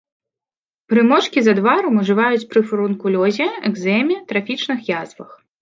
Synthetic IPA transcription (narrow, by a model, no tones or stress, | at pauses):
pɾɨmɔt͡ʂkʲizɐd̪vaɾɐmuʐɨvajut͡sʲpɾɨfɐɾunkulʲɔzʲɛɛɡzɛmʲɛt̪ɾafʲit͡ʂnɨxjazvɐx